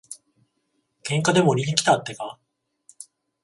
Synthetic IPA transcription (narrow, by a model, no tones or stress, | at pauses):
kẽ̞ŋkad̪e̞mo̞ɾʲiɲʲikʲi̥t̪at̪ːe̞ka